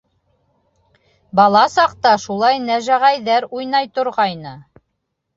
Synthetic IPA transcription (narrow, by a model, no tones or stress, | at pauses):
bɑlˠɑsɑq̚t̪ɑʃulˠɑjnæʒæʁæjðæɾujnɑjt̪ŏɾʁɑjnɤ